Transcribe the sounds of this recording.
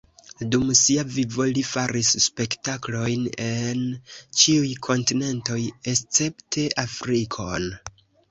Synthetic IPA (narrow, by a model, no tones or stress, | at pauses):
dumsiavivo̞lifaɾisːpe̞ktaklo̞jnent͡ʃiujkʰo̞ntine̞nto̞je̞st͡se̞ptʰe̞ʔafɾikʰo̞̰n